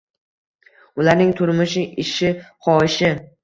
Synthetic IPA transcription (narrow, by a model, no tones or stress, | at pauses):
ʊlaɾnɪŋt̪ʰʊɾmʊʃɪʔɪʃɪχɒɪʃɪ